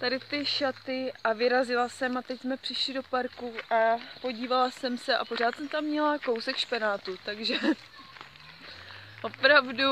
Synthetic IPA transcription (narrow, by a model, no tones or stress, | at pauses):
t̪adɪt̪ɪʃat̪ɪʔavɪɾazɪlasɛmat̪ɛcsmɛpr̥ɪʃlɪdo̞paɾkuapo̞ɟiːvalasɛmsɛʔa̰po̞r̝aːt̪sɛmt̪amːɲɛlako̞wsɛkʃpɪnaːt̪ut̪aɡʒɛ | ʔo̞pɾavdu